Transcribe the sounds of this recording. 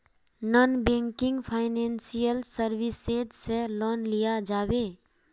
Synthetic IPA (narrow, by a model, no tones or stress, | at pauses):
nɔnbẽŋkɪ̃ŋɡpʰaɪnensijəlsəɾbised͡ʒselɔːnlijad͡ʒaːbe